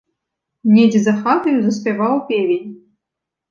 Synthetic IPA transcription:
nʲedʲizɐxat̪ɐjuzɐspʲɛvawpʲevʲenʲ

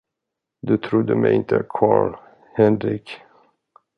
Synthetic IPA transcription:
d̪ɵt̪ʰɾʊd̪ːəmɛjɪnt̪ʰəkʰɑːɭ | hɛnɾɪk

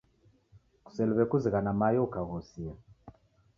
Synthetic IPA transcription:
ku̥sɛluβɛkuziɣanamajɔukaɣɔsia

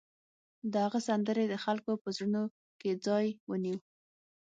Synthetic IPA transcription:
d̪əhaɣəsand̪əɾed̪əxalkopəzɽəno | ked͡zɑjwəniw

